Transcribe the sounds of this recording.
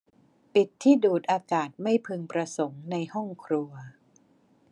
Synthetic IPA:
pi˨˩t̪ʰːiː˥˩duː˨˩t̪̚ʔaː˧kaː˨˩t̪̚ma˥˩jpʰɯ˧ŋpɾa˧so˩˦ŋna˧jhɔ˥˩ŋkʰɾu˧ɐ

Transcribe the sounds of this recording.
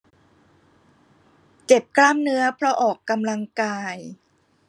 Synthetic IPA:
t͡ɕe˨˩p̚klaː˥˩mnɯ˦˥ɐpʰɾɔ˦˥ʔɔː˨˩kːa˧mla˧ŋkaː˧j

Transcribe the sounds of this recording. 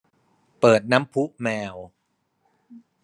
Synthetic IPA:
pɤː˨˩t̪̚na˦˥mpʰu˦˥ʔmɛː˧w

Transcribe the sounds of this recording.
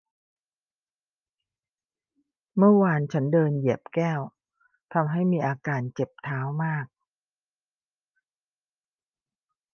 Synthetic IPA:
mɯ˥˩ɐwaː˧nt͡ɕʰa˦˥ndɤː˧nji˨˩əp̚kɛː˥˩w | t̪ʰa˧mɦa˥˩jmiː˧ʔaː˧kaː˧nt͡ɕe˨˩p̚t̪ʰaː˦˥wmaː˥˩k̚

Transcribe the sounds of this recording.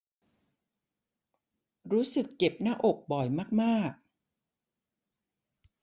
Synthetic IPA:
ɾuː˦˥sɯ˨˩kːe˨˩p̚naː˥˩ʔo˨˩k̚bɔ˨˩jmaː˥˩k̚maː˥˩k̚

